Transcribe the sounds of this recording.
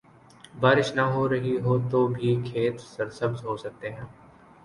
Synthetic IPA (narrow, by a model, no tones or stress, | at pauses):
baːɾɪʃnɐɦoɾɐɦiɦoːt̪obʱikʰeːt̪sɐɾsɐbzɦoːsɐk̚t̪eɦɛ̃ː